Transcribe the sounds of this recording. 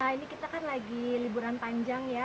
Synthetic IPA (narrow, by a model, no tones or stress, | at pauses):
ainikit̪akanlaɡilibuɾanpaɲd͡ʒaŋja